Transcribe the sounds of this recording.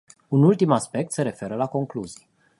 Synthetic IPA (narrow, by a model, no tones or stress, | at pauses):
unult̪imaspe̞k̚t̪se̞ɾe̞fe̞ɾəlako̞ŋkluzij